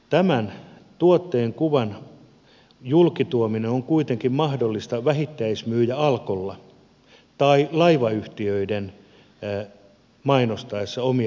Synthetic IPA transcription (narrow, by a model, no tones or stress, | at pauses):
t̪æmænt̪uot̪ːeːŋkuʋɑn | julkit̪uomineoŋkuit̪eŋkimmɑhdolːist̪ɑʋæhit̪ːæismyːjæɑlkolːɑ | t̪ɑilɑiʋɑyht̪iøiden | mɑinost̪ɑesːɑomi